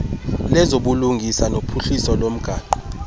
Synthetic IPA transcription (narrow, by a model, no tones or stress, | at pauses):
lɛzoɓuluŋɡʱisanopʰuɬisɔlom̩ɡ̥ʱaːǃ